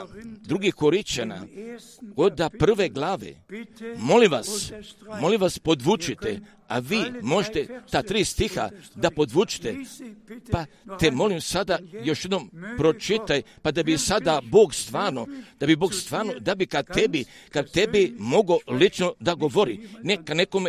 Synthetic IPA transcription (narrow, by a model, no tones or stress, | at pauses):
d̪ɾuɡikoɾit͡ʃana̰ | od̪apr̩ʋe̞ɡlˠaːʋḛmo̞limʋasmo̞limʋaspo̞d̪ʋut͡ʃit̪e | aʋiːmo̞ʒet̪et̪aːt̪ɾiːst̪ixa̰d̪apo̞d̪ʋut͡ʃi̥t̪e | pat̪emo̞limsad̪ajo̞ʃjed̪nompɾo̞t͡ʃit̪ajpad̪abisad̪abo̞ːɡst̪ʋaːɾno̞d̪abiboːɡst̪ʋaːɾno̞d̪abikat̪ebikad̪t̪ebimo̞ɡo̞lit͡ʃno̞d̪aɡo̞ʋo̞ɾinekaneko̞me